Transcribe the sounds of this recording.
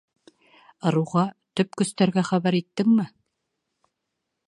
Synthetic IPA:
ɤ̆ɾuʁɑt̪ɵp̚kɵ̆st̪æɾɡæχæβæɾit̪ːɘŋmɘ

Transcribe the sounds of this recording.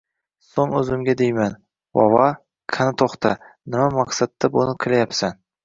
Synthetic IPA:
soŋɵzɪmɡʲad̪ejman | vɒ̰vɑ | kʰanɪt̪ʰoχt̪ʰa | nɪmamaqsat̪ːabonɪkʲʰɪlajapsan

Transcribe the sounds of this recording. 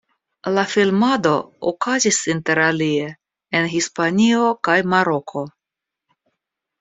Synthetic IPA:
lafilmad̪o̞o̰kazisinte̞ɾalie̞ | enɦispanio̞kajmaɾo̞kʰo̞

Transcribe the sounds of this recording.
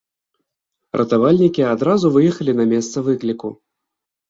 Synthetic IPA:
rʔɐ̰t̪avalʲnʲikʲiad̪ɾazuvɨjɛxɐlʲinɐmʲɛst̪sɐvɨklʲiku

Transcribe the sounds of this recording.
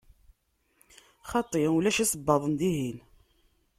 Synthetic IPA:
χɑt̪ˤːiulæʃæsəbːɑðˤənd̪iɦin

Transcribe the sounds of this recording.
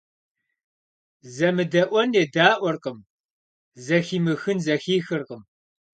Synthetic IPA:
zɐmɨdɐʔʷɔneːdaːʔʷɔrqəm | zɐxiːmɨxɨnzɐxiːxɨrqəm

